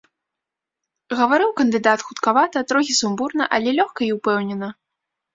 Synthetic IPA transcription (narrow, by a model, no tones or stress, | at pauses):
ɣɐvaɾɨwkɐnd̪ɨd̪at̪xut̪kavat̪ɐt̪ɾɔɣʲisumburnɐʔɐlʲɛlʲɔxkɐiwpɛwnʲɛnɐ